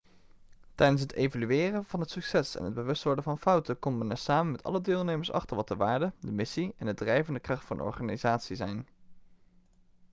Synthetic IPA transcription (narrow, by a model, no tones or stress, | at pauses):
tɛjdənsɦətevolyɪːrənvɑnɦətsɵksɛsɛ̰nɦəd̚bəʋɵstʋɔɹdəvɑnfʌwtəkɔmənɛɹsaːmənmɛtɑ̰lədɪːlˠnejməɹsɑ̰χtəɹʋɑtdəʋaːɹdədəmɪsiɛnɦədrɛjvəndəkrɑχtfɑnʔɔ̰ɹχaːnizaːtsizɛjn